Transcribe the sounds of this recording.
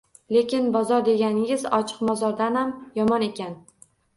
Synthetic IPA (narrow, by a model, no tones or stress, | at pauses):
le̞kʲɪnbɒzɒɾd̪e̞ɡʲanɪɪzɒt͡ʃʰɨ̥qmɒzɒɾd̪anhamjɒmɒne̞kʲan